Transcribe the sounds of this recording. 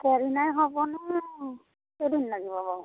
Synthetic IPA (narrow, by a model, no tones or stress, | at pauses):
kɛɹinajɦɔbɔn | edinlaɡibɔbɔ